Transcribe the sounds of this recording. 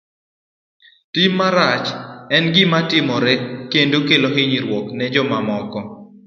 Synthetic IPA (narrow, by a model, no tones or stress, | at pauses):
timːaɾat͡ʃɛnɡɪmatɪmɔɾɛkendokeloɦɪɲiɾwɔknɛd͡ʒɔmamɔkɔ